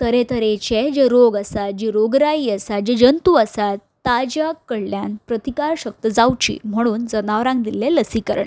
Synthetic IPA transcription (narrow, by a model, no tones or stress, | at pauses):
t̪əɾet̪əɾet͡ɕed͡ʑeɾoɡəsat̪̚d͡ʑiɾoɡɾaiːəsat̪̚d͡ʑid͡ʑənt̪uəsat̪ːad͡ʑakːəɽljanpɾət̪ikaɾɕək̚t̪əd͡zawt͡ɕḭːm̤əɽ̃uːnd͡zənaʋɾãŋk̚d̪ilːeləsikə̰ɾɳ